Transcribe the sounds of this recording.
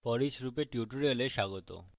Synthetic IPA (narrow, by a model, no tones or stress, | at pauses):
fɔɾid͡ʑɾupeʈjuʈuɾeleʃaɡot̪o̰